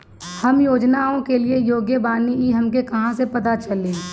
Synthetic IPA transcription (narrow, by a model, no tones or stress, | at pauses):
hɐmjoːd͡ʒnaõkeliejoːɡjəbaːniiɦɐmkekɐɦãsepɐt̪at͡ʃɐliː